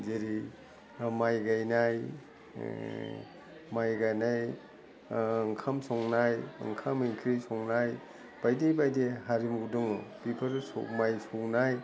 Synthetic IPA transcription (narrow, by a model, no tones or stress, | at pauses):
d͡ʒeɾi | majɡajnaj | majɡajnaj | ŋkʰamsɔŋnajɐ̰ŋkʰamiŋkʰɾisɔŋnaj | b̥ajdebajdeɦaɾimudɯŋpipʰɐɾsɔ̰majsoŋnaj